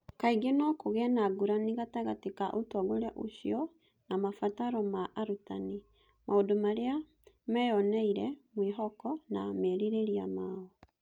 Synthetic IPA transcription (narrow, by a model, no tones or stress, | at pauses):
kaiɡenɔkoɣɛnaɡuɾaniɣataɣatekaʔotɔɣoɾaʔoɕiɔ | namafataɾɔmaʔaɾutane | maodomaɾea | mɛjɔnɛiɾɛmweɦɔkɔnamɛɾiɾeɾiamaɔ